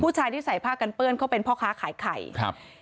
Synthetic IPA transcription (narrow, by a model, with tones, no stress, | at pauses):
pʰuː˥˩t͡ɕʰaː˧jt̪i˥˩sa˨˩˦jpʰaː˥˩kːa˧npɯ˥˩ənkʰa˦˥˩wpe˧npʰɔː˥˩kʰaː˦˥kʰaː˨˦jkʰa˨˩jkʰ